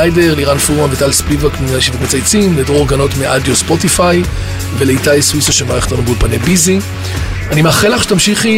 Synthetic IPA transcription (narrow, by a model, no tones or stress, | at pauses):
ajdeʁliʁanfuʁmavet̪alspivakaʃivakmet͡sajt͡simledooʁɡano̞tmeʔadjospo̞tifaj | veleitajswisaʃemaʁeχt̪anubulpanebizi | animeaχelaχʃet̪amʃiχi